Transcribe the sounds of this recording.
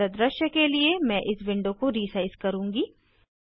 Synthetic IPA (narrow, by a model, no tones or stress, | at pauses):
ɐd̪ɾɐʃjəkeliemɛ̃ːʔɪsʋɪ̃ɳɖõkoɾiːsaɪskɐɾũːŋɡiː